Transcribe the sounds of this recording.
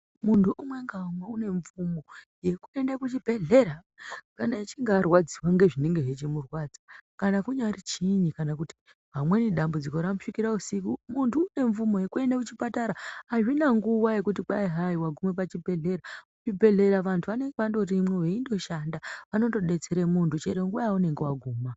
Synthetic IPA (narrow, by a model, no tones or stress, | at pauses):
muntuʔumwe̞ŋɡaumweune̞ɱvumo̞ | je̞kue̞ndekut͡ʃibʱe̞ɮe̞ɾa | kanait͡ʃiŋɡaarwad͡ziwaŋɡe̞ʐineŋɡe̞ʐet͡ʃimurwaːd͡zakanakuɲaɾit͡ʃiɲikanakuti̥ | ɦamwe̞niɗambud͡ziko̞ɾamuʂikiɾausikumuntuːne̞ɱvumo̞je̞kue̞ndekut͡ʃipataɾaaʐinaŋɡuʋaje̞kut̬iɓaiɦaiwaɡʱumwep̬at͡ʃibʱe̞ɮe̞ɾaut͡ʃibʱe̞ɮe̞ɾaʋantʰuʋane̞ŋɡeʋando̞rimweʋeindo̞ʃandaʋano̞to̞ɗe̞t͡se̞ɾe̞muntʰut͡ʃeɾeŋɡuaaune̞ŋɡewaɡʱuːma